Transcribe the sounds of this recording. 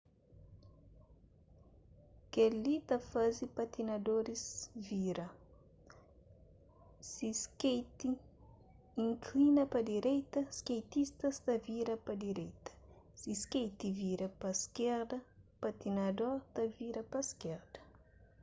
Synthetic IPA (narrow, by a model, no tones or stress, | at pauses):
kɛlit̪ɐfazipat̪inad̪oɾizviɾɐ | siskejt̪i | iŋkʰlinɐpɐd̪iɾɛjt̪ɐskejt̪ist̪ɐst̪ɐviɾɐpɐd̪iɾɛjt̪ɐ̥ | siskejt̪iviɾɐpɐskɛɾd̪ɐpat̪inad̪oɾt̪ɐviɾɐpɐskɛɾd̪ɐ